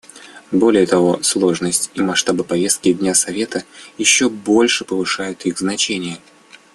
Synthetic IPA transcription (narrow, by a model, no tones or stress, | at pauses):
bo̞lʲɪjət̪ɐvo̞slˠo̞ʐnəsʲtʲimɐʂt̪abɨpɐvʲe̞st̪̚kʲɪdʲnʲasɐvʲe̞t̪əjɪɕːo̞bo̞lʲʂɨpəvɨʂajʊt̪ixznɐt͡ɕenʲɪjə